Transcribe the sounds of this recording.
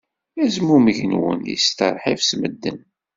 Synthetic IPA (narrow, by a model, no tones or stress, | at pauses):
æzmumʝənwə̰njḭst̪əɾˤħivsməd̪ːən